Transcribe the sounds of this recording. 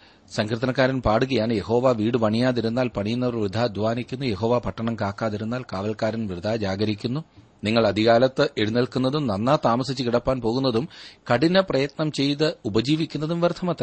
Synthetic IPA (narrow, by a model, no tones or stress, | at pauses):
sɐŋkrɨt̪̬ɐnɐk̬ːaːɾɐnpaːɽuɣɐjaːnje̞ho̞ːʋaːʋiːɽɨpɐɳijaːðiɾunːaːlpɐɳijunːɐʋɐrʋid̪ʱaːd̪ʱʋaːnikʲːunːuje̞ɦo̞ːʋaːpɐʈːɐɳɐmkaːkːaːðiɾunːaːlkaːʋɐlkaːɾɐnʋrɨd̪ʱaːd͡ʑaːɡɐɾikʲːunːu | niŋːɐɭɐd̪ʱiɣaːlɐt̪ːɨʔeɽunɐɭkunːɐðumnɐnːaːt̪aːmɐsit͡ɕːɨkiɽɐpːaːnpo̞ːɣunːɐðumkɐɽinɐprɐjɐt̪nɐmt͡ɕe̞jt̪ɨubɐd͡ʑiːʋikʲːunːɐðumʋert̪ʰːɐmɐt̪ːrɐ